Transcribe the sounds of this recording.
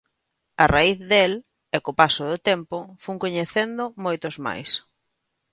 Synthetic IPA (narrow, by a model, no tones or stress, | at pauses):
araiθðel | ɛkopasʊðʊt̪empʊfuŋkoɲeθend̪ʊmojt̪ʊzma̰js